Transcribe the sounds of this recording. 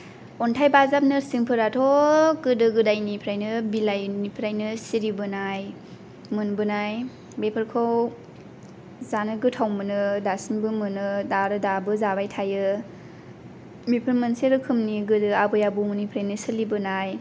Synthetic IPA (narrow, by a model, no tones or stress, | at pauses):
ɔntʰajbazap̚nɯsiŋpʰɯɾatʰokɯdɯɡɯdajnipʰɾajnɯbilajnipʰɾajnɯsiɾibɯnaj | mɯnbɯnaj | bepʰɯɾkʰɯw | zanɯɡɯtʰawmɯnɯdasiŋbɯmɯnɯdaɾɯdabɯzabajtʰajɯ | mipʰɯɾmɯnseɾɯkʰɯmniɡɯdɯabɯjabɯmɯnipʰɾajnɯsɯlibɯnaj